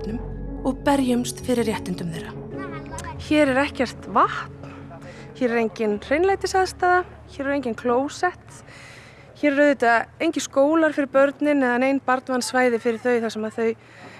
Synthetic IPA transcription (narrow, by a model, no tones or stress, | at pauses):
t̪nʏmɔɣpɛɾjʏmst̪fɪɾɪɾjɛht̪ɪnt̪ʏmθejɾa | çɛːɾɛɾɛhcɛr̥t̪vaht̪nçɛːɾɛɾejɲcɪnr̥ejnlajt̪ɪsaðst̪aːða | çɛːɾɛɾejɲcɪnkʰloːwsɛht̪ | çɛɾːœɥðɪt̪aejɲcɪnskoːwlaɾ̥fɪɾɪɾpœɾt̪nɪnːɛːðanejnpaɾt̪nvansvaːjðɪfɪɾɪɾ̥θœːɥθasɛmaðθœɥ